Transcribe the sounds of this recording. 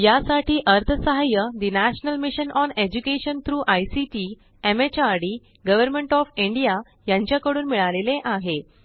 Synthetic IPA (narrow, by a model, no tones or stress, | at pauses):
jasaʈiːʔəɾt̪ʰəsəɦajəd̪inæɕnəlmiɕənʔɔned͡ʑukeɕənt̪ʰɾuːʔajsiʈi | emet͡ɕaɾɽi | ɡəʋəɾmẽɳʈɔfiɳɖija | jãɲt͡ɕjakəɽuːnmiɭaleleʔaɦe